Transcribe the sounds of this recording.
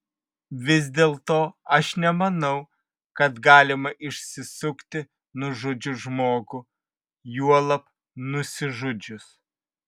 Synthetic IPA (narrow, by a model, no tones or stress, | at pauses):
ʋʲɪzʲd̪ʲeːlˠt̪oːɐʃnʲɛmɐnɐʊ | kɐt̪ɡɑːlʲɪmɐʔɪʃʲsʲɪsʊkt̪ʲɪ | nʊʒʊd͡ʒʲʊʒmoːɡʊ | juɔlˠɐp | nʊsʲɪʒʊd͡ʒʲʊs